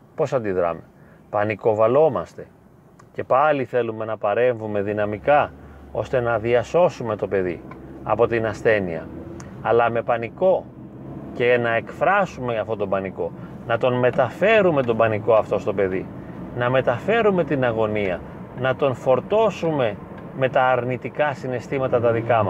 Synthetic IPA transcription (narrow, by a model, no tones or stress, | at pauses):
po̞sɐnd̪iðɾɐ̰me | pɐniko̞vɐlo̞mɐst̪e̞ | ce̞pɐliθe̞lume̞nɐpɐɾe̞ɱvume̞ðinɐmikɐo̞̰st̪e̞nɐðiɐso̞sume̞t̪o̞pe̞ðḭɐ̰po̞t̪inɐsθe̞nḭɐ̰ɐlɐme̞pɐniko̞ | ce̞nɐe̞kfɾɐsume̞ɐft̪o̞t̪o̞bɐniko̞ | nɐt̪o̞nme̞t̪ɐfe̞ɾume̞t̪̬o̞bɐniko̞ɐft̪o̞st̪o̞pe̞ðḭ | nɐme̞t̪ɐfe̞ɾume̞t̪inɐɣo̞niɐ | nɐt̪o̞nfo̞ɾt̪o̞sume̞ | me̞t̪ɐːɾnit̪ikɐsine̞st̪imɐt̪ɐt̪ɐðikɐmɐs